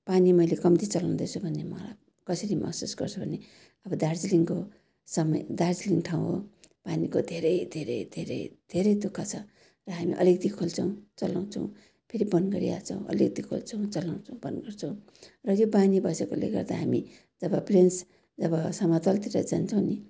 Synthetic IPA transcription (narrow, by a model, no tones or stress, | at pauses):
panimʌjlekʌmt̪it͡sʌlaw̃d̪ʌt͡sʰubʱʌnːemʌla̰ | kʌsʌɾimʌ̰ksusɡʌrt͡sʰʌbʱʌne | ʌbʌd̪ard͡ziliŋko | sʌmʌjd̪ard͡ziliŋʈʰaw̃o̰panikod̪ʱeɾʌjd̪ʱeɾʌ̰jd̪ʱeɾʌ̰jd̪̥ʱeɾʌjd̪ukʰːat͡sʰʌ | rʌɦamḭʔʌ̰liɡd̪ikʰolt͡sʰʌw̃t͡sʌlaw̃t͡sʰʌw̃ | pʰeɾibʌnɡʌɾḭa̰t͡sʰʌ̰̃w̃ʔʌ̰lik̚d̪ikʰo̰lt͡sʰʌw̃t͡sʌlaw̃t͡sʰʌw̃bʌnɡʌrt͡sʰʌ̃w̃ | rʌjobanibʌsekolḛɡʌ̰rd̪aɦami | d͡zʌbʌprens | d͡zʌbʌsʌmat̪ʌlt̪iɾʌd͡zant͡sʰʌw̃ni